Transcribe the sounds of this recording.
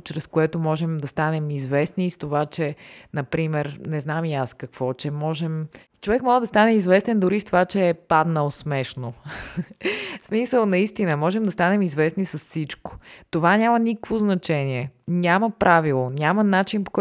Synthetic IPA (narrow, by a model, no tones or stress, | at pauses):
t͡ʃɾɛskoɛt̪omɔʒɛmd̪ɐst̪anɛmizvɛsniːst̪ovat͡ʃɛnɐpɾimɛɾnɛznamiaskɐkv̥ɔt͡ʃɛmɔʒɛm | t͡ʃovɛkmɔʒɛd̪ɐst̪anɛizvɛst̪ɛnd̪ʊɾist̪ovat͡ʃɛːpad̪nəlˠsmɛʃno | smisəlˠnɐist̪inəmɔʒɛmd̪ɐst̪anɛmizvɛsnisɐsːit͡ʃko̥t̪ovanʲamɐnikəkvoznɐt͡ʃɛnʲiɛnʲamɐpɾʔavilˠonʲamɐnat͡ʃinpo̥kɔ